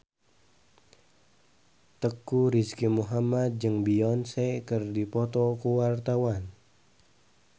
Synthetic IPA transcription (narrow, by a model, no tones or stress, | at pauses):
t̪əkuɾiskimuɦamad̪̚d͡ʒɨŋbiɔnsɛkərdipɔt̪ɔkuwart̪awan